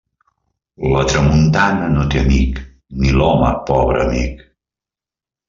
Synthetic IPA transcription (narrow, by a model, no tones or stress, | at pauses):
lət̪ɾəmunt̪anənot̪eənik | nilɔməpɔβɾə̰ːmik